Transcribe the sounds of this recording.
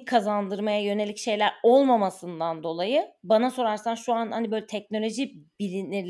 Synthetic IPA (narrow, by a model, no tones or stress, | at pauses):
kʰazand̪ɯɾmajajø̞ne̞lʲicʃe̞jlʲæɾo̞lˠmamasɯnd̪and̪o̞lˠajɯbanaso̞ɾaɾsanʃuanhanibøjlʲɛt̪ʰɛcno̞lʲo̞ʒib̥ilʲinʲiɾʲ